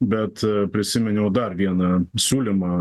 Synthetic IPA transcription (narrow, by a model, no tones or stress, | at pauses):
bʲɛt̪pʲɾʲɪsʲɪmʲɛnʲɛʊd̪ɐrʋʲiɛnɐsʲuːlʲimɑ